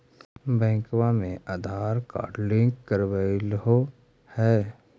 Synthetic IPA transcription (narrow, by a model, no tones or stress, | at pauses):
bɛ̃ːŋkwamẽʔaːd̪ʱaːɾka̰lɪ̃ŋkːəɾwaɪlɦo | hɛː